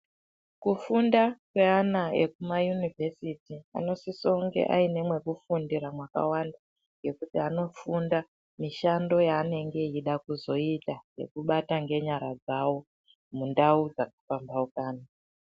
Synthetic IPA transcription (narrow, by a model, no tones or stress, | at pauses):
kufundakwe̞anae̞kumajunive̞sitia̰no̞sisoŋɡe̞̰ʔa̰ine̞mwe̞kufundiɾamwaka̰wanda | ŋɡe̞kutiano̞funda | miʃando̞jaːne̞ŋɡe̞iɗakuzo̞itaje̞̰kuɓataŋɡe̞ɲaɾad͡zawo̞ | mundaud͡zakḁfambaukaːna